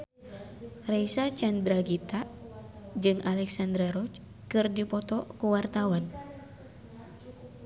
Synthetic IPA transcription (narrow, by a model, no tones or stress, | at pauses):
raisat͡ʃand̪ɾaɡit̪a | d͡ʒɨŋalɛksand̪ɾaɾɔt͡ʃ | kɨrdipɔt̪ɔkuwart̪awan